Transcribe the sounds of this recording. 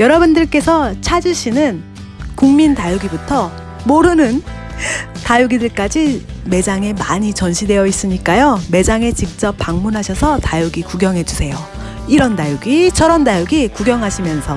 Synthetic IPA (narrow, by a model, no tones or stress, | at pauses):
jʌɾʌbundɯɭk͈e̞sʰʌt͡ɕʰad͡ʑiɕ͈ʰinɯn | kuŋmintajuɡibutʰʌ | moɾɯnɯn | tajuɡidɯɭk͈ad͡ʑime̞d͡ʑaŋe̞maɲit͡ɕʌnɕʰide̞jʌis͈ɯɲik͈ajome̞d͡ʑaŋe̞t͡ɕik̚t͡ɕ͈ʌp̚p͈ːaŋmunɦaɕʰʌsʰʌtajuɡikuɡjʌŋɦe̞d͡ʑusʰe̞jo | iɾʌndajuɡit͡ɕʰʌɾʌndajuɡikuɡjʌŋɦaɕʰimjʌnsʰʌ